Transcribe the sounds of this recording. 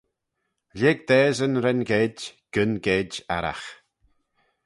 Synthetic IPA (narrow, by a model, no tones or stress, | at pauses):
leːɡ̚d̪ɛːzənɾɛnɡeːdɡ̥ənɡeːda̰ɾa̰x